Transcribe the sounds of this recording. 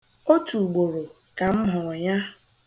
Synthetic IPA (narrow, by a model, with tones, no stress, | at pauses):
o˦tu˨ɡ͡bo˨ɾo˨ | ka˨m̩˦ɦʊ˨ɔ˨ɲa˦